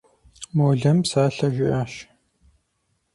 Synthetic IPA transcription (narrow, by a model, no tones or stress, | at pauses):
moːɮɐmsaːɬɐʒʷɪʔaːʃ